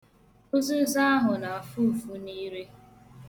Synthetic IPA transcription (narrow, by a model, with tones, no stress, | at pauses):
o˦zʊ˦za˦a˦ɦʊ˨na˨a˨fu˦˨fu˦ni˦ɾe˦